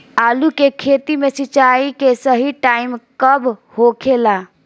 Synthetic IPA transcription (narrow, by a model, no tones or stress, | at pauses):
alukekʰet̪imesit͡ʃaikesəɦiʈaimkəbhokʰela